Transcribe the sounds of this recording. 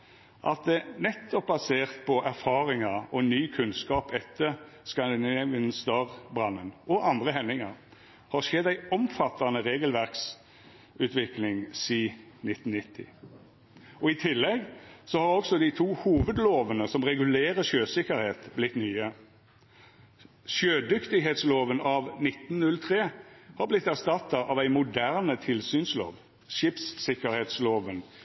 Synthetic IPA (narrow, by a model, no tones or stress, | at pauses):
ʔɑ̰t̪̚d̪ɛnɛt̪ʰːɔp̚bɑseːʁt̪̚pʰɔʔæʁfɑːʁɪŋɑɔnyːkʰʉnskɑːpɛt̪ʰːəʁ | skɑnd̪ɪnɛʋɪnst̪ɑʁbʁɑnːənʔɔʔɑnd̪ʁəhɛnːɪŋɑʁ | hɑʁʃɛd̪ːæɪɔmfɑt̪ːɑnəʁeːɡəlʋæʁks | ʉt̪ʰʋɪklɪŋsiː | nɪt̪ːn̩nɪt̪ʰːɪ̰ | ɔɪt̪ʰɪlːɛɡsɔhɑʁɔksɔd̪it̪ʰuːhuːʋəd̪loːʋənəsɔmʁɛɡʉleːʁəʃøːsɪkəɾheːt̪blɪt̪nyːə | ʃøːd̪ʏkt̪ɪɦeːt̪sloːʋənɑʋnɪt̪nnʉlt̪ʰʁeːhɑʁblɪt̪ːæʁst̪ɑt̪ːɑʔɑʋæɪmʊd̪æʁnət̪ʰɪlsyːnslo̰ːʋ | ʃɪːpsːɪkəɾheːt̪sloːʋən